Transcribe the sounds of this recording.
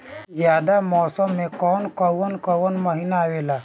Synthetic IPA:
zjaːd̪amɔːsəmːẽkɔːnkəwənkɔwənməɦinaweːlaː

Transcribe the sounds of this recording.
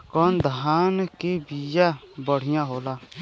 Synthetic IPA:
kɔnd̪aːnkeːbijaː | bəɽ̤ɪjãːɦoːlaː

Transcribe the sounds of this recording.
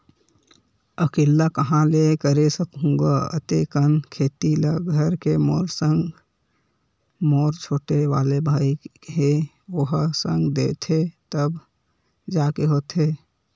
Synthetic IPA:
əkeːlːakəɦãlekəɾesəkɦũŋɡaə̰t̪ekənkʰeːt̪iləɡʱəɾkemoːɾsə̃ŋɡ | moːɾt͡ʃʰoːʈeʋa̰ːlebʱaːike | oɦsə̃ŋɡd̪eːt̪ʰet̪əb | d͡ʒaːkeɦot̪e

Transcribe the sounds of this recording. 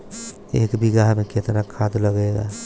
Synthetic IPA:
ekbiɡaɦmẽket̪nakʰad̪ləɡeɡa̰

